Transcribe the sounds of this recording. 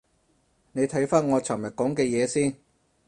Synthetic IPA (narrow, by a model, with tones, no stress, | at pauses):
ne˨˧jt̪ʰɐ˨˥jfaː˥nŋɔː˨˧t͡sʰɐ˨˩mjɐ˨˩t̚kɔː˨˥ŋkɛː˧jɛː˨˧siː˥˩n